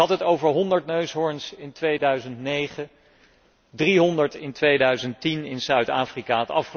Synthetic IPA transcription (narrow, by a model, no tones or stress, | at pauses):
ɦɑtɦətowvəɹɦɔndəɹtnøɥsɦɔɹnsɪntʋejdœɥzəntnejχə | driɦɔndəɹtɪntʋejdœɥzəntinɪnsœɥtaːfrikatɑfχə